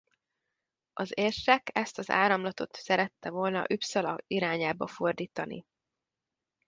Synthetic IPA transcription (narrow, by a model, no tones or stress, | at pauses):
ɒzeːrʃɛkɛst̪ɒza̰ːɾɒmlɒt̪o̞̰t̪sɛɾɛt̪ːɛvo̞lnɒ̰ʔypsɒlɒ̰iɾaːɲaːbɒfo̞rd̪iːt̪ɒnḭ